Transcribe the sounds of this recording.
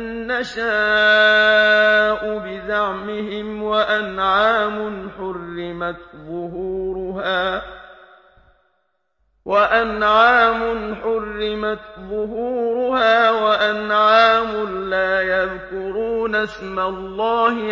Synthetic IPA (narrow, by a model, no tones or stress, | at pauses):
nːaʃaː | ʔʊbɪzaʕmɪɦɪmwaʔanʕaːmʊnħʊrːɪmaðʊhuːɾʊhaː | waʔanʕaːmʊnħʊrːɪmaðˤʊɦuːɾʊhaːwaʔanʕaːmʊnlaːjaðkʊɾuːnasmalˤːɑːhɪ